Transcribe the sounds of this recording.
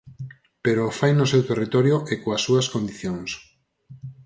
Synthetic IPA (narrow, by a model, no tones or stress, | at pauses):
peɾofajnʊsewt̪erit̪ɔɾjʊʔekoasːuɐskond̪iθjoŋs